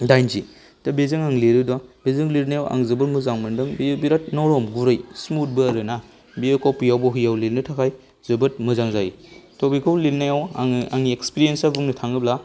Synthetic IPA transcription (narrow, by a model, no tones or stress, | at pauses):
dajnzḭ | tabezɯŋaŋleɾɯdɔbezɯŋliɾnajawʔa̰ŋzɯbɯtmɯzaŋmɯndɯŋbibiɾat̚nɔɾɔmɡuɾɯjsmut̚bɯɐɾɯna | biekɔwpujawbɔɦɯjawlilnɯtʰakʰaj | zɯbɯt̚mɯzaŋzajtɔbikʰɯwlilnajawaaŋiekspiɾijensabuŋnɯtʰaŋɯbla